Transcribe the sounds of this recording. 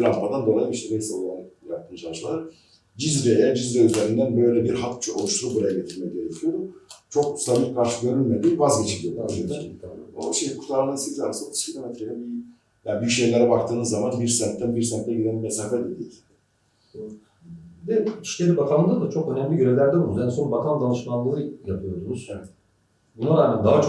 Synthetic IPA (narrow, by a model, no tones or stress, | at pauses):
lampʰad̪and̪o̞lˠajiiʃt̪ʰɛmejsɛolˠanlakt̪ʰːɯnʃalˠt͡ʃlˠaɾ | d͡ʒizɾɛjɛd͡ʒizɾɛyzeɾind̪ænbø̞jlʲɛbiɾhḁt͡ʃʰuo̞lˠuʃt̪ʰuɾubuɾajaɟe̞t̪ʰiɾmɛɟe̞ɾɛcʰijot͡ʃʰo̞k̚sabiɾkʰaɾʃɯɟø̞ɾylʲmed̪iːvazɟet͡ʃʰiɾʲijod̪azød̪ɛno̰ʃejikʰu̥t̪ʰaɾˠaɾasiza̰nsot̪ʰuz̥cʰilʲo̞met̪ʰɾejɛbi | jaːbyʃe̞jlʲeɾɛbakt̪ʰɯːnɯzːamanbiɾsɛnt̪ʰːænbiɾsɛnt̪ʰːɛɟid̪ænimesaːfæɾd̪ed̪iːlʲ | d̪ei̥ʃcʲelʲibak̪ʰamnand̪at͡ʃʰo̞kø̞næmlʲiɟøɾelʲæɾd̪ɛbunjansonbak̪ʰand̪anɯʃmanlˠɯːɯjapʰɯjo̞ɾsunuzj | bunaɾaːmænd̪aɦat͡ʃʰ